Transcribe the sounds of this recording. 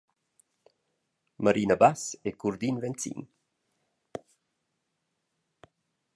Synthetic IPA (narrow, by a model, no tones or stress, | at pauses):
maɾinabasekuɾd̪invɛnt͡sḭn